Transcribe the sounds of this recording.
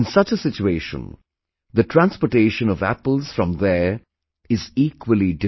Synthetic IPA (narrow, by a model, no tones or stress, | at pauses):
nsʌt͡ʃəsɪt͡ʃueːʃə̰̃n | d̪əʈʰɾæ̃nspɔʈeːʃə̃nɔvæ̰pəl̩ˠz̥fɾʌ̃md̪ə | ɪziːkwəliɖɪ